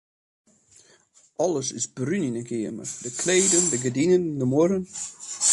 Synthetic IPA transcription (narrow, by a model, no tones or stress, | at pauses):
ʔɔlˠəsɪsbryninəɡʰɪəmə̰dəkʰleːdəndəɡədinəndəmʊɾən